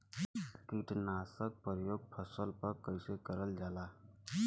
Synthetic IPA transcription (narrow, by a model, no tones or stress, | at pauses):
kiʈnaːsək̚pəɾjoːɡ̚pʰəsəlpəɾkəɪsekəɾəld͡ʒaːlaː